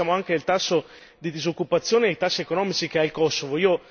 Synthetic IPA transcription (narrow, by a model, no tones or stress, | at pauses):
aːmoaŋkelt̪asːo | d̪id̪izokːupat̪sːjoːneejt̪asːiekonɔːmit͡ʃikeailkɔsːovoiːo